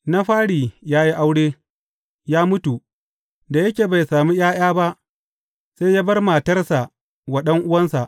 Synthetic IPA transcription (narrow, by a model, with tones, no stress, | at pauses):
na˦ɸaː˦ɽiː˨jaː˦ji˦ʔa˦wɽeː˦ | jaː˦mʊ˦tu˨ | da˨jɐ˦kʲeː˨ba˨jsaː˨mi˦jaː˦j̰aː˦ba˦ʔ | sa˦jjaː˦bɐ˦rma˨tɐ˦rsa˨ʔ | wɐ˨ɗɐ˦ŋʔʊ˦wɐ˦nsa˨ʔ